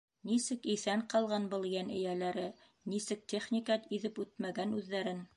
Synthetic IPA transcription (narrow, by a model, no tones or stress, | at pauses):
nisɘkiθæɴqɑlˠʁɑnbɤ̆lˠjænɘ̆jælæɾɘ | nisɘk̚t̪ʲeχnʲikɑt̪iðɘpʉt̪̚mæɡænʉðːæɾɘn